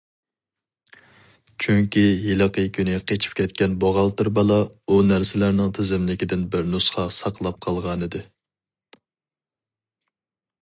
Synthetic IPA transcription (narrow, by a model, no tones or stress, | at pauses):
t͡ʃʰyŋkʲijelˠɨqəkʲʰynɪqʰet͡ʃʰi̥p̚kʲʰɛt̪kʲɛnboʁɑlˠt̪ɨɾbɑlˠɑunæɾsɪlæɾnɪŋt̪ʰɪzɪmlɪkʲid̪ɪnbɪɾnusχɑsɑqlˠɑp̚qʰɑlˠʁɑnɨd̪ɪ